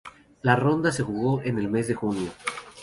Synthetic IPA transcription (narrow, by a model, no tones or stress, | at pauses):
laro̞nd̪as̬e̞xuɣo̞ʔene̞lme̞zðe̞xunjo̞